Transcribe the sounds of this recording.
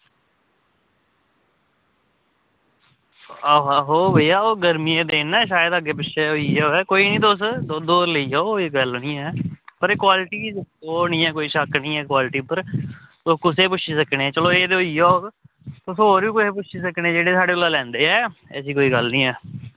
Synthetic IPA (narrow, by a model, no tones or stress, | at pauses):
aːɦoːbəiːaːoːɡəɾmiːeːd̪eːnɛ̃ːʃaːjəd̪aːɡeːpʊt͡ʃʃeoiːɛoɛːkoːiːnĩːd̪oːsod̪oːɾləiːɛːɡəlnĩːɛːpəɾeːkwaːlɪʈiːoːnĩːɛːkoːiːʃəknĩːɛːkwaːlɪʈiːpəɾt̪okʊseːpʊt͡ʃʰiːsəkneːt͡ʃəloːeːd̪oːiːɛ | t̪ʊsɦoːɾʋiːkʊseːpʊt͡ʃʰiːsəknẽːd͡ʒeːɽeːsaːɽeːolaːlɛ̃ːnd̪eːɛːɛ̰ːsiːkoːiːɡəlnĩːɛː